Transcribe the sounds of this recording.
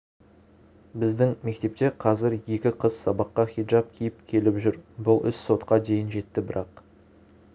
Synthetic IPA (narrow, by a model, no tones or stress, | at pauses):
bɪzd̪ɪŋme̞k̚t̪e̞p̚t̪e̞qʰɑzɪɾje̞kʲɪqʰəz̥sɑbɑqːɑχijd͡ʒɑp̚kʲʰijɪpkʲʰe̞lɪpʒʏɾbʊlˠʏsso̞t̪qɑd̪e̞jɪnʒe̞t̪ːɪbɪɾɑq